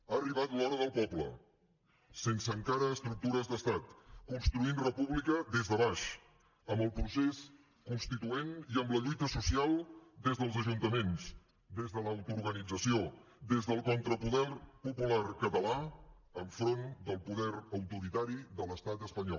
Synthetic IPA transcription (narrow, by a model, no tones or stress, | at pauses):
aəriβ̞at̪lɔɾəðəlˠpɔblə̰ | sensəŋkaɾəːst̪ɾuk̚t̪uɾəzðəst̪at̪kunst̪ɾuinrəpuβlikəd̪ezðəβ̞aʃ | əmbəlˠpɾuses | kunst̪it̪ueniəmbləʎujt̪əsusialˠd̪ezðəlˠzəʒunt̪əmens | d̪ezðələːwt̪uɾɣənid͡zəsio | d̪ezðəlˠkɔnt̪ɾəpuðɛrpupularkət̪əla | əɱfɾond̪əlˠpuðɛɾəwt̪uɾit̪aɾiðələst̪at̪əspəɲɔ̰l